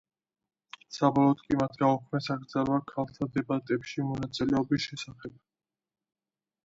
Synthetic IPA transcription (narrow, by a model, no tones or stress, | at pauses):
sabɔlˠɔd̪kʼimat̪ʰaɔkʰmɛsaɡɾd̪zaɾvakʰalˠt̪ʰad̪ɛbat̪ʼɛpʃimɔnat̪sʼilɛɔbisʃɛsaχɛb̚